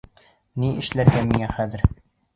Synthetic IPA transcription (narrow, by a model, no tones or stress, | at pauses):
niʔɘ̆ʃlæɾɡæmiŋæχæðɘɾ